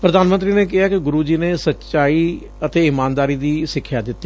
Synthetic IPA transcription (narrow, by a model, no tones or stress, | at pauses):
pɾəd̪aːnmənt̪ɾiːneːkɪɦaːkɪɡʊɾuːd͡ʒiːneːsətːt͡ʃaːiː | ət̪eːɪmaːnd̪aːɾiːd̪iːsɪkʰːjaːd̪ɪt̪ːi